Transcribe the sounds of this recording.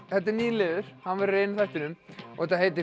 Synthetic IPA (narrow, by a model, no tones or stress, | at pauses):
θɛt̪ːɪɾniːlɪːðʏɾ̥hanvɛɾreːjnʏθajht̪ɪnʏmɔhɛt̪aheːjt̪ɪ